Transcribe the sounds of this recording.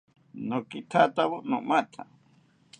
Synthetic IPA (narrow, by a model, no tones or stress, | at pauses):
nokit̪ʰat̪aβunṵ̃ʔmãt̪ʰa̰